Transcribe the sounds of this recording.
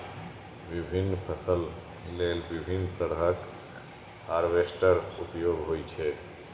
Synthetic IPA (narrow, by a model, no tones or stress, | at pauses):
ʋibʱinːpʰəsəl | leːlbibʱinːt̪əɾɦək | haɾʋesʈəɾupjoːɡɦoːit͡ʃʰɛ